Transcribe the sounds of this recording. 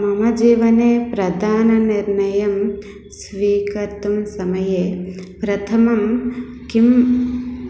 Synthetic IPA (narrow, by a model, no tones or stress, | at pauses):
mɐmɐd͡ʒiːʋɐneːpɾɐd̪ʱaːnɐniɾnɐjɐm | sʋiːkɐɾt̪umsɐmɐjepɾɐt̪ʰɐmɐm | kim